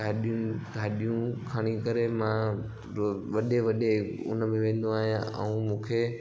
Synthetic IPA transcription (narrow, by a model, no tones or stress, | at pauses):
aːɗijʊnɡʱaːɗijũkʰaːɽ̃ikəɾemã | ɾoʋɐɗeʋɐɗeʊ̰nəmẽʋẽːn̆d̪ũaːɦijãʔə̰ũmũːkʰe